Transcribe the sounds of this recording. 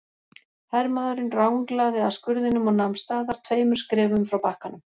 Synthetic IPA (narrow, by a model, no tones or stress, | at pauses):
hɛɾmaːðʏɾɪnrawŋklaːɣðɪaskʏɾðɪnʏmɔɣnamst̪aːðaɾ̥t̪ʰveːjmʏɾ̥skɾɪːvʏmfɾawpahkanʏm